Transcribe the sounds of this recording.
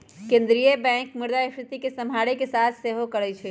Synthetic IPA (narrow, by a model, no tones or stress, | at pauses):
kẽnd̪ɾijəbɛ̃kmuɾd̪aikɾɪt̪ikesəmbʱaɽekesat̪ʰseɦokəɾɛt͡ʃʰɛ